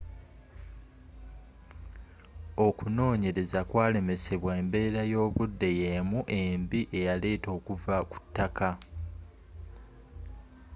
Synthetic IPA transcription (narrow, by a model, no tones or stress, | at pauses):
o̞kuno̞ːɲe̞ɾe̞zakwaːle̞me̞se̞βweːmbe̞ːɾajo̞ːβudːe̞je̞muʔe̞mbiʔe̞jale̞ːto̞ːkuvaku̥tːaka